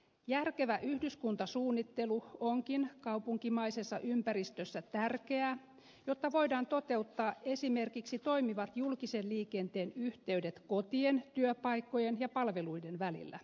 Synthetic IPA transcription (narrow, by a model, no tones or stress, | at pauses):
jærke̞ʋæʔyhdyskunt̪ɑsuːnːit̪ːe̞luoŋkinkɑwpuŋkimɑjsesːɑ̰ʔympæɾist̪øsːæt̪ærke̞æː | jo̞t̪ːɑʋo̞jdɑːnt̪o̞t̪e̞ut̪ːɑːe̞sime̞rkiksit̪o̞imiʋɑt̪julkisenliːke̞nt̪e̞ːnyht̪e̞yde̞t̪ko̞t̪ient̪yøpɑjkːo̞jenjɑpɑlʋe̞lujde̞nʋælḭlːæ̰